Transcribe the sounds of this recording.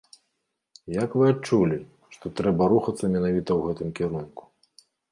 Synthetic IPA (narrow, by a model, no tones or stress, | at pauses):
jakvɨat͡ʂulʲi | ʂt̪ɔt̪ɾɛbɐɾuxɐt̪sːɐmʲɛnavʲit̪ɐwɣɛt̪ɨmkʲɛɾunku̥